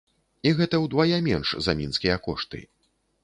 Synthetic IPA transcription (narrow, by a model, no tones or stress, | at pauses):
iɣɛt̪ɐwd̪vajɛmʲɛnʂzɐ̰mʲinskʲijɐkɔʂt̪ɨ̰